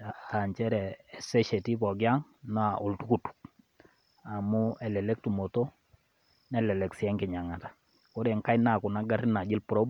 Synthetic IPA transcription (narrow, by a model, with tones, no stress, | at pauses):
aa˨ɲt͡ʃɛ˦ɾɛː˨sɛ˦ʃe˨ti˦pɔ˨ɡja˦ŋ | nɔ˦a˨ʔo˨ltu˦ku˨tu̥˨k̚ | a˨mu˦ɛ˨lɛ˨lɛ˦k̚tu˨mo˨to˦ | nɛ˦lɛ˨lɛ˨ksɛ˦ŋkɪ˨ɲa˨ŋa˨tḁ˨ | ko˦ɾe˨ŋka˦jna˨kʊ˨na˦ɡa˦rna˨d͡ʒɪ˦lpɾɔ˦b